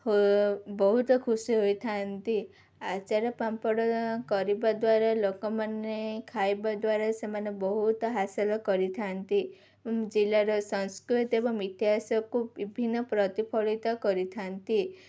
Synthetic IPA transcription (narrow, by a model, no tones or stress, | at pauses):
hobɔɦut̪ɔkʰusiɦojt̪ʰant̪i | at͡ʃaɾɔpampɔɽɔkɔɾibad̪waɾalokɔmanekʰajbad̪waɾasemanebɔɦut̪ɔɦasɔlɔkɔɾit̪ʰant̪i | d͡ʒilaɾɔsɔnskɾut̪ɔt̪ebɔŋit̪iɦasɔkubibʱinːɔpɾɔt̪ipʰɔɭit̪ɔkɔɾit̪ʰant̪i